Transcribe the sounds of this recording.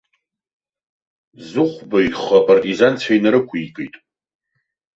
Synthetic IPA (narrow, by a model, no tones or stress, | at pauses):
zɨχʷbaiχapʰʼartʼizant͡sʷʰajnaɾɨkʷʰikʼejtʼ